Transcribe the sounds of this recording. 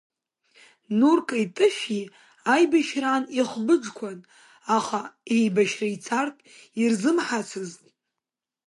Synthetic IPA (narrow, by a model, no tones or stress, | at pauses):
nurkʼajtʼɨʃᶣi | ajbaʃraːniχbɨd͡ʒkʷʰan | aχaejbaʃrait͡sʰartʰʼirzɨmħat͡sʰɨz